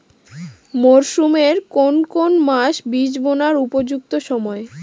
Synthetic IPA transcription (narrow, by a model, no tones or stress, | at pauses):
moɾʃumeɾkonkonmaʃbid͡ʑbonaɾupod͡ʑuk̚t̪oʃɔmɔe